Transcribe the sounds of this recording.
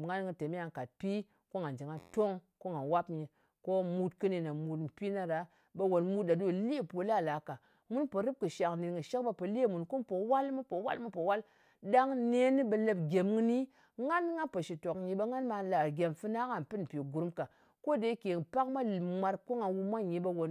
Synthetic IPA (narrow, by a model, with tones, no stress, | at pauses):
ŋa˦nŋi˨te˨mi˦a˨ŋ˨ka˨t̚pi˦ | ko˦ŋa˨nd͡ʒi˨ŋa˨to˦ŋko˦ŋa˨nwa˦pɲi˨ | ko˦mu˦tkɨ˦ni˨na˨mu˨tm̩˨pi˦na˦ɾa˨˦ | bə˨wo˨nmu˦t̚ɗa˨do˦˨li˦˨po˨la˦˨la˨˦ka˨ | mu˦npə˨ɾɨ˦p̚kɨ˨ʃa˨kni˨ŋɨ˨ʃe˦kba˦pə˨le˦˨mu˨nku˦npo˨wa˦lmɨ˦po˨wa̰˦lmɨ˦po˨wa˦l | da˦ŋne˦ni˦ɓə˨lə˦pɡʲe˨mŋɨ˦ni˦ | ŋa˦n˦ŋa˦pə˨ʃi˨to˨kɲi˨ɓə˦ŋa˦nma˨la˨ɡʲe˨mfɨ˦na˦ka˨m˨pɨ˦n˨pi˨ɡu˨ɾmka˨ | ko˦de˨i˦ke˨ŋ˨pa˦kma˦˨ma˦ɾko˦ŋa˨wu˦ma˦ɲi˨ɓə˦wo˨n